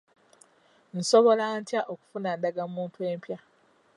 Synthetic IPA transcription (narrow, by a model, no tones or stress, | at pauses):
n̩soβo̞lantjaʔoku̥funandaɡamuːntueːmpja